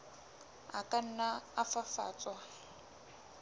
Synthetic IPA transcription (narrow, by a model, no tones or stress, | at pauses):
a̰kʼan̩naafafa̰ːt͡sʼwa